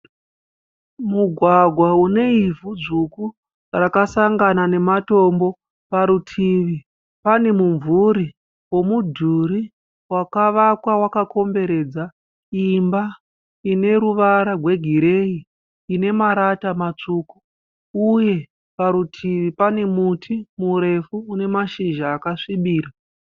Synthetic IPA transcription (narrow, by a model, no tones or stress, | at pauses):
muɡʱwaɡʱwaune̞ivud͡zuku | rakasaŋɡanane̞mato̞mbo̞ | paɾutʰiʋi | pane̞muɱvuɾi | wo̞mudʱuɾi | wakaʋakwawakakʰo̞mbe̞ɾe̞d͡za | imba | ine̞ɾuʋaɾarwe̞ɡʱiɾe̞iː | ne̞maɾatamat͡ʂuːku | uje̞ | paɾutʰiʋipane̞mutʰimuɾe̞fuːne̞maʃiʒaːkaʂiɓiːɾa